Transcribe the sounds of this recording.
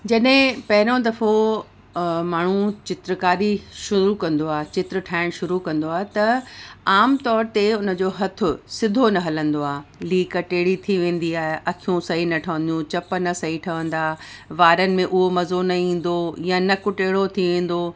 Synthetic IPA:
d͡ʑɐɗɦɪ̃pɐɦɪɾõd̪ɐfo | maːɳ̤ũt͡ɕɪt̪ɾəkaːɾiʃʊɾukɐ̃nd̪oaːɦet͡ɕɪt̪ɾʈʰaːɪɽ̃ʃʊɾukɐ̃nd̪oaːɦet̪ɐaːmt̪ɔːɾt̪eʊnə̆d͡ʑoːɦɐt̪ʰʊsɪd̪ʱonɐɦɐlə̃nd̪oaːɦliːkʈeːɽit̪ʰiʋẽːn̆d̪iaːɦeʔɐkʰijũsɐɦinɐʈʰɐʋə̃nd̪jũt͡ɕɐpə̆nɐsɐɦiʈʰɐʋə̃n̆d̪aːʋaːɾənɪ̆mẽʔʊɦomɐzonɐĩːn̆d̪ojãnɐkʊʈeːɽot̪ʰiʋẽːn̆d̪oː

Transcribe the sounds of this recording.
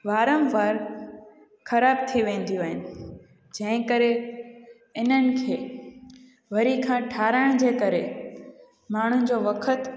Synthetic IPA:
ʋaːɾə̃mʋaːɾ | xɐɾaːb̚t̪ʰiʋẽːnd̪ijuɦɪnɪ̆ | d͡ʑɐ̃ɦɪ̃kəɾe | ɪn̤ənɪ̆kʰeː | ʋɐɾikʰãːʈʰaːɾəɽ̃d͡ʑeːkɐɾe | maːɳ̤ʊnɪ̆d͡ʑoːʋɐkʰət̪

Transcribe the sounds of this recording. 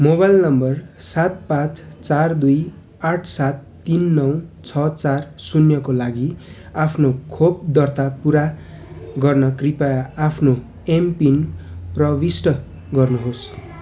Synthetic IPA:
mobajlnʌmbʌrsat̪̚pãt͡st͡sard̪uj | aʈʰsat̪ːinːʌwt͡sʰʌt͡sarsunjʌkolaɡiapʰnokʰob̚d̪ʌrt̪apuɾa | ɡʌrnʌkripajaapʰno | empinprʌbisʈʌ | ɡʌrnuɦos

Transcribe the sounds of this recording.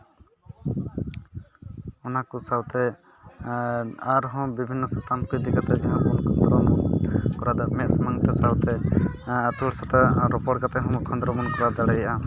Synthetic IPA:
ɔnakɔsawt̪ɛ | aɾɦɔ̃bibʱinːɔsɔt̪amkujd̪ikat̪ɛd͡ʒɛɦãmunk̪d̪ɾɔmkɔɾad̪amɛʔ̪̚sɔmaŋt̪ɛsawt̪ɛː | t̪uɽsat̪aɾɔpɔɽkat̪ɛɦɔ̃mɔkʰɔnd̪ɾɔmunkɔɾad̪aɽɛjʔa

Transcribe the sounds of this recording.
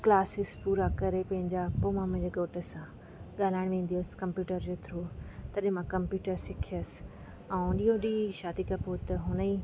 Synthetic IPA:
klaːsɪspuːɾakɐɾepɐ̃ɦɪ̃ɲd͡ʑapoːmãmɐ̃ɦd͡ʑeɡoːʈəsã | ɠaːl̤aːɪɽ̃ʋẽːnd̪ijoskɐmpjuːʈəɾd͡ʑoːt̪ʰɾoːt̪ɐɗmãkɐ̃mpjuːʈəɾsɪkʰijəsɪ̥ | ɐ̃ũɗiːõɗiːʃaːd̪ikapoːt̪ɐɦʊnəiː

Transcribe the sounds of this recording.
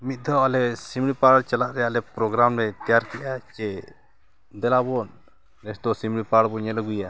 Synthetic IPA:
mit̪̚ˀd̪aalɛsimɽipaɽt͡ʃalaʔɾɛjalɛpɾɔɡɾamɾɛt̪ɛjaɾkɛʔat͡ʃɛ | d̪ɛlabɔn | ɾɛsd̪ɔsimɽipaɽbɔɲɛlɔɡuja

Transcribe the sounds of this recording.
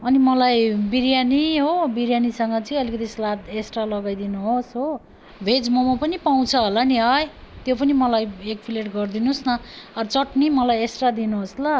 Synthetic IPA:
ʌnimʌlajbiɾjaniɦobiɾjanisʌŋɡʌt͡siĩʌlikʌt̪islat̪esʈralʌɡajd̪inuɦosɦo | bʱed͡zmomapʌnipaw̃t͡sʰʌɦolaniɦʌjt̪jopʌnimʌlajek̚pʰileʈɡʌrd̪inusnʌʌrt͡sʌʈnimʌlajesʈrad̪inuɦoslʌ

